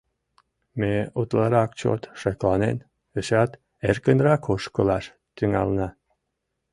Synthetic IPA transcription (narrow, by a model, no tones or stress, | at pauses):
meut̪lˠɑɾɑk̚t͡ɕo̰t̪ʃɑklˠɑnḛn | əɕɑt̪ | erkənɾɑkʰoʃkolɑʃ | t̪yŋæ̰lnɑ